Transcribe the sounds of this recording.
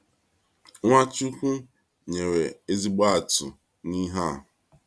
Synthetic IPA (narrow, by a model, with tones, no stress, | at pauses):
ŋʷa˦t͡ʃu˦kʷu˦ | ɲe˨ɾe˨e˦zi˦ɡ͡ba˦a˨tʊ˨ | ni˦ɦa˦˨ɦʊ˨